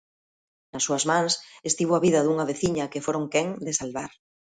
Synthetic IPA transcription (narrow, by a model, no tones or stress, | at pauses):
nasːuazmãŋsest̪iβoaβiðɐðuŋaβeθiɲɐkefoɾoŋkeŋd̪esalβaɾ